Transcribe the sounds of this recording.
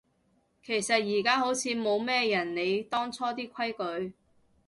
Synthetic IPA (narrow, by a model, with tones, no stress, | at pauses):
kʰe˨˩jsɐ˨t̚jiː˨˩kaː˥ɦo˨˥wt͡sʰiː˨˧mo˨˧wmɛː˥jɐ˨˩nne˨˧jt̪ɔː˥ŋt͡sʰɔː˥t̪iː˥kʷʰɐ˥jkɵ˨˧ɥ